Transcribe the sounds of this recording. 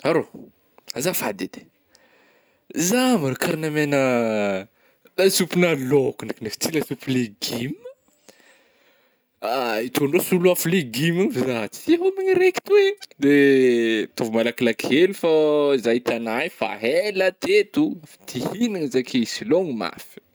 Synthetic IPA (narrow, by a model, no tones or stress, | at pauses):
aɾo | azafad̪ed̪e̥ | zamaɾokaɾinamenə | d̪asupinalokunakinefi̥t͡silasupileɡim | ait̪ʰonrosuluafuleɡiminvizat͡si̥iɦomiɲiɾeki̥t̪ued̪e | t̪ovumalakilakielifaizajt̪anajfa̰ɦelət̪et̪ufit̪ihiniŋizakʰesiloŋima̰fi̥